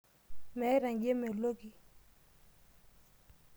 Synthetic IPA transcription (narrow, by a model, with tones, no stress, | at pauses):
mɛ˨˦ɾa˨ŋɡje˦mɛ˨o˨lo˦ɡi˨